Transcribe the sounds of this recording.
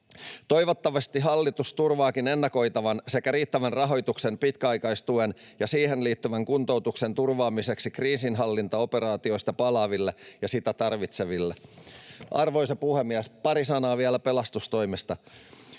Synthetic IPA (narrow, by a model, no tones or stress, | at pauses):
t̪o̞jʋot̪ːɑʋɑst̪iɦɑlːit̪ust̪urʋɑːkine̞nːɑko̞jt̪ɑʋɑnse̞kæɾiːt̪ːæʋænrɑɦo̞jt̪ukse̞npit̪kæɑjkɑist̪uenjɑsiːhenliːt̪ːyʋæŋkunt̪o̞uwt̪uksent̪urʋɑːmise̞ksikriːsinɦɑlːint̪ɑo̞pe̞ɾɑːt̪io̞ist̪ɑpɑlɑːʋilːejɑsit̪æt̪ɑrʋit̪seʋilːe | ʔɑ̰rʋo̞isepuhemːiæspɑɾisɑnɑːʋiælæpe̞lɑst̪ust̪o̞jmest̪ɑ